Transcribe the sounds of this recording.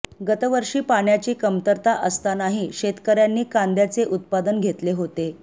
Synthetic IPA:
ɡət̪əʋəɾʂiːpaɳjat͡ɕiːkəmt̪əɾt̪aʔəst̪anaɦiɕet̪kəɾjanːiːkand̪jat͡seʔut̪̚pad̪ənɡʱet̪leɦot̪e

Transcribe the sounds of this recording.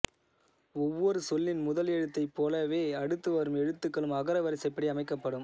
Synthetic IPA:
ɔʋːɔɾɯsɔlːɪnmʊðɐlɛɻɯt̪ːɐɪpːoːlɐʋeːɐɽɯt̪ːɯʋɐɾɯmɛɽɯt̪ːɯkːɐɭɯmɐɣɐɾɐʋɐɾɪsɐɪpːɐɽiɐmɐɪkːɐpːɐɽɯm

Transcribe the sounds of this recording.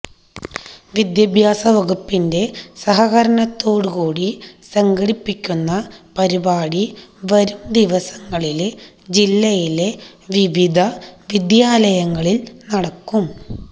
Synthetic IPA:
ʋid̪jɐbʱjaːsɐʋɐɡupːinde̞sɐɦɐɣɐɾɐɳɐt̪ːo̞ːɽɨkuːɽisɐŋɡɐɽipːikʲːunːɐpɐɾibaːɽiʋɐɾumd̪iʋɐsɐŋːɐɭile | d͡ʑilːɐjile̞ʋiʋid̪ʱɐʋid̪jaːlɐjɐŋːɐɭilnɐɽɐkːum

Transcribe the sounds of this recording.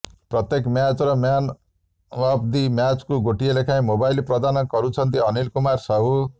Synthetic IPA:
prʌt̪jekmjat͡sɾʌmjan | apd̪imjat͡skuɡoʈielekʰãĩmobajlprʌd̪anʌkʌɾut͡sʰʌnt̪iʌnilkumarsʌɦu

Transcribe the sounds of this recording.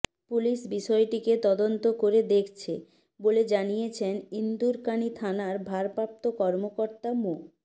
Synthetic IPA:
puliʃbiʃɔeʈiket̪ɔd̪ont̪okoɾed̪ekʰt͡ɕʰe | boled͡ʑanijet͡ɕʰenind̪uɾkanit̪ʰanaɾbʱaɾpap̚t̪okɔɾmokoɾt̪amo

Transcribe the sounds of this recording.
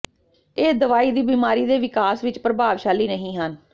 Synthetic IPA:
eːd̪əʋaːiːd̪iːbiːmaːɾiːd̪eːʋɪkaːsʋɪt͡ʃpɾəbaːʋʃaːliːnəɦĩːɦən

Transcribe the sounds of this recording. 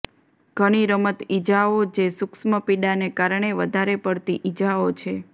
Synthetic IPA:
ɡ̥ʱəɽ̃iɾəmət̪id͡ʒaod͡ʒesuksməpiɗanekaɾɳ̃eʋəd̪ʱaɾepəɽt̪iʔid͡ʒaot͡ʃʰe

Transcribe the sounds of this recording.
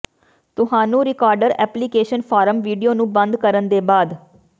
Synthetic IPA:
t̪ʊɦãːnũːɾɪkaːɾɖəɾɛ̰ːpliːkeːʃənpʰaːɾəmʋiːɖijoːnũːbə̃nd̪kəɾənd̪eːbaːd̪

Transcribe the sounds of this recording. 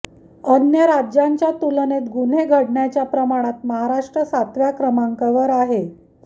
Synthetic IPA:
ənjəɾad͡ʑjaɲt͡ɕjat̪ulnet̪ɡun̤eɡʱəɽɳjat͡ɕjapɾəmaɽ̃at̪məɦaɾaʂʈɾəsat̪ʋjakɾəmaŋkəʋəɾaɦe

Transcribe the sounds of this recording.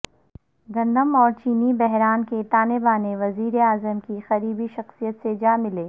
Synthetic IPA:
ɡɐ̃nd̪əmɔːɾt͡ʃiːnibɛɦɾaːnket̪aːnebaːneʋɐziːɾeaːzəmkixɐɾiːbiʃɐxsijət̪sed͡ʒaːmɪleː

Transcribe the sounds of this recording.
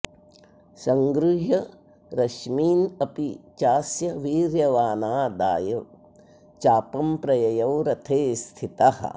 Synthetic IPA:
sɐŋɡɾuɦɐ | ɾɐʃmiːnɐpit͡ʃaːsjɐʋiːɾjɐʋaːnaːd̪a̰ːjɐ | t͡ʃaːpɐmpɾɐjɐjɐwɾɐt̪ʰeːst̪ʰit̪ɐhɐ̰

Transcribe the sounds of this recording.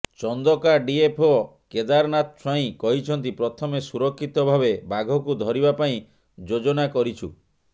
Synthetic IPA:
t͡ʃɔnd̪ɔkaɖiepʰo | ked̪aɾnat̪̚t͡ʃʰwaĩkɔɦit͡ʃʰɔnt̪ipɾɔt̪ʰɔmesuɾɔkʰːit̪ɔbʱabebaɡʱɔkud̪ʱɔɾibapaĩ | d͡ʒod͡ʒɔnakɔɾit͡ʃʰṵ

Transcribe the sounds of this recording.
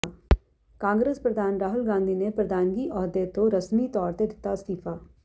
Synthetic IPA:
kãːŋɡɾeːspɾɐd̪ʱaːnɾaːɦʊlɡãːnd̪ʱinepɾɐd̪ʱaːnɡiʔɔːɾd̪et̪oɾɐsmit̪ɔːɾt̪ed̪ɪt̪ast̪ifaː

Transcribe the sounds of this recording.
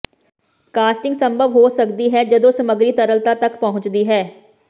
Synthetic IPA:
kaːsʈɪ̃ŋɡsəmbʱəʋɦoːsəkd̪iːɦɛːd͡ʒəd̪õːsəməɡɾiːt̪əɾəlt̪aːt̪əkpɔɦʊ̃ɲt͡ʃd̪iːɦɛː

